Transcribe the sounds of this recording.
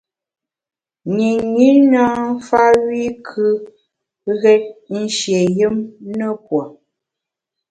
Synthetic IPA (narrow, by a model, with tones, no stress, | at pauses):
ni˨ɲi˦na˦fa˦wi˦kʰʉ˦ | ɣɛ˦t̚n̩˦ʃje˨jə˦mnə˦p̚wo˨